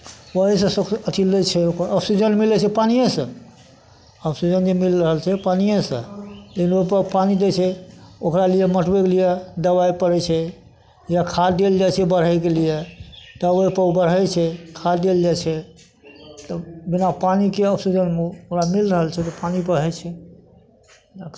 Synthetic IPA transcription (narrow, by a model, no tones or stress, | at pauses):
wəɦisə̃səət̪ʰilet͡ʃʰɛokəbsid͡ʒənmilɛt͡ʃʰɛpanijẽsə̃ | əbsid͡ʒənd͡ʒemilɾəɦəlt͡ʃʰɛpanijẽsə̰̃lekʰinoɦipəpanid̪et͡ʃʰɛokɾalijeməʈʰbekelijed̪əbajpəɾɛt͡ʃʰɛ | jakʰad̪eld͡ʒat͡ʃʰɛbəɾ̤ɦək̬elijet̪əwəjpəbəɾɦɛt͡ʃʰɛkʰad̪eld͡ʒat͡ʃʰɛ | t̪ɔbinapanikeəpʰsid͡ʒənmeokɾamilɾəɦəlt͡ʃʰɛt̪ɔpanipəɾɦɛt͡ʃʰɛ